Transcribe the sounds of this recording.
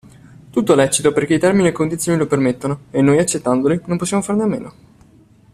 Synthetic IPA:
t̪ut̪ːoɛlɛt͡ʃit̪operk̟eit̪ɛrminiekond̪it̪sjonilopermet̪ːonoenːoːjat͡ʃːet̪ːand̪olinomposːjamofarneamːḛːno

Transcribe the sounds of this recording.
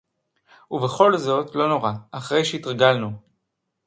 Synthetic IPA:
uveχo̞lzo̞tlo̞no̞ʁaaχʁe̞jʃeitʁɡalnu

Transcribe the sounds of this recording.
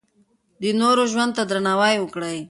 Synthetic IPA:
d̪ənoɾoʒwand̪̚t̪ad̪ɾanawajwəkɽaj

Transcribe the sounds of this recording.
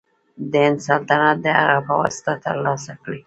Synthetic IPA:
d̪əɪnsalt̪anat̪̚d̪əha̰ɣapəwɑ̰sɪ̥t̪at̪ə̰ɾlɑsakɽi

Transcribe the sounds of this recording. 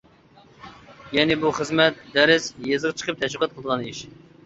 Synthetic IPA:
jɛnɪbuχəzmɛt̪d̪æɾɪzjezʁət͡ʃʰə̥qʰəp̚t̪ʰɛləqɑt̪̚qʰlˠd̪əʁɑniʃ

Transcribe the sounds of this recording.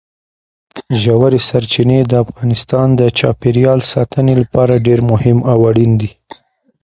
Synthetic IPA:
ʒawaɾesaɾt͡ʃined̪əafɣɑnɪst̪ɑnd̪ət͡ʃɑpeɾjɑlsɑt̪ʰənelapɑɾaɖeɾmʊhɪmawaɽind̪i

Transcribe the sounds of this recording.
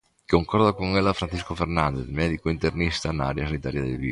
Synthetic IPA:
koŋkɔɾd̪okoŋelːafɾant͡ʃiskofernand̪eθmɛːd̪ikoint̪ernist̪aena̰ːɾjasanit̪aːɾjad̪ḛlvḭ

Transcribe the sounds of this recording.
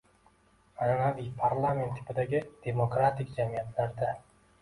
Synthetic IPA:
ananavɪpʰaɾlˠame̞nt̪ʰːɪ̥pɪd̪aɡʲɪd̪̥e̞mokɾat̪ɪkʲd͡ʒamijat̪ʰlaɾd̪a

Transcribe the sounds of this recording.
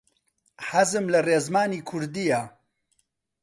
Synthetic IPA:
ħazɨmlɐreːzmaːniːkʰʊɾd̪ija

